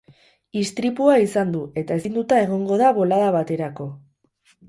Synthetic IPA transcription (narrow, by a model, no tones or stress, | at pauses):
ist̪ɾipuaisand̪ue̞t̪ae̞snd̪ut̪ae̞ɣ̞o̞ŋɡo̞ðaβo̞laðaβat̪e̞ɾako̞